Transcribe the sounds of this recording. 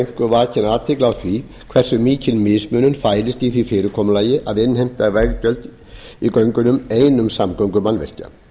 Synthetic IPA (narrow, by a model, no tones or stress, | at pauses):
jŋ̥kʏvaːcɪnaːt̪ʰɪklawθɾi | kʰvɛr̥sʏmiːcɪnmɪsmœːnʏnfaːjɾɪst̪iθifɪːɾɪkʰɔːmlaːjɪʔaðɪnːhejm̥t̪avɛɣcœlt̪ | ikœɥŋkʏnʏmeːjnʏmsamkœɥwŋkʏmanvɛ̰r̥ca̰